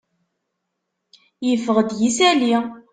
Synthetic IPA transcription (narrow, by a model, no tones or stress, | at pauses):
jəfəʁəd̪jisæli